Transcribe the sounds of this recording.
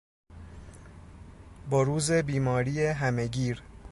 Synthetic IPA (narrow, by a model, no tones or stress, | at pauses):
bɒːɾuːze̞biːmɒːɾiːeɦæme̞ɟiːɾ